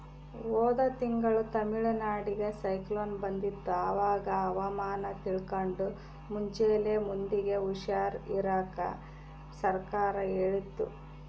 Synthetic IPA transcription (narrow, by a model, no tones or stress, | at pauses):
ʋoːd̪ɐt̪iŋɡɐɭut̪ɐmiɭɐnaːɽiɡe̞sɐjkloːnbɐnd̪it̪ːuɐʋaːɡɐːʋɐmaːnɐt̪iɭkoɳɖu | muɲt͡ʃeːlemund̪iɡe̞uʃaːɾiɾaːkɐ̰ | sɐɾkaːɾɐeːɭit̪ːṵ